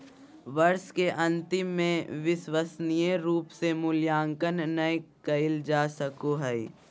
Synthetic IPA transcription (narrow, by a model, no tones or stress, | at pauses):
ʋɐɾskeʔɐ̃nt̪ɪmːẽʋɪʃwəsnijeɾuːpsemʊljãːŋkənːɐjkɐɪld͡ʒaːsəkoɦɛi